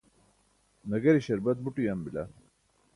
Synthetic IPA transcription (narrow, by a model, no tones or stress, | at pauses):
nɐɡɐɾiɕɐɾbɐt̪̚buʈujɐmbila